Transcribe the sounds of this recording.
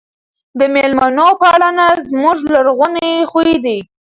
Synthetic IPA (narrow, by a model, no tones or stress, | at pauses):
d̪əmelmanopəaɽanazmuʐlaɾɣʊneexued̪i